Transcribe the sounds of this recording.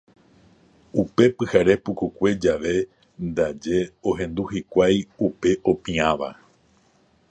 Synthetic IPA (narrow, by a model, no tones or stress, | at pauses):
upe̞pɨhaɾe̞pukukʷe̞d͡ʒaʋe̞ | nd̪ad͡ʒe̞o̞ɦẽ̞nd̪uhikʷajupe̞ʔo̞pĩãʋa̰